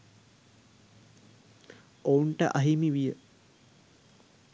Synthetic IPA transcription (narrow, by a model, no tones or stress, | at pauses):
ouɳʈə̰ʔaɦimiʋijə